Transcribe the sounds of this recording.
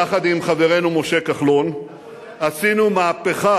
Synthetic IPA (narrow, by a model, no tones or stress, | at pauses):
aχad̪imχave̞ʁe̞numo̞ʃe̞kaχlo̞n | asinumaːpeχa